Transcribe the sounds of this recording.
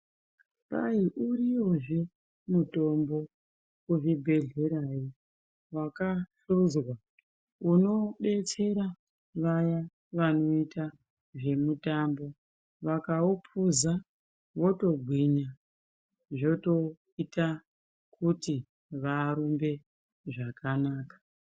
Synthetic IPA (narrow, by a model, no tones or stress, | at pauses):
pa̰iʔuɾiwo̞ʐe | muto̞mbo̞ | uʐibʱe̞ɮe̞ɾaji | wakaɬud͡zwa | uno̞ɓe̞t͡se̞ɾa | ʋaja | ʋano̞ita | ʐe̞mutambo̞ | ʋakaupʰuza | ʋo̞to̞ɡʱwiɲa | ʐo̞to̞ | ita | kʰuti | ʋaːɾumbe̞ | ʐakanaːkḁ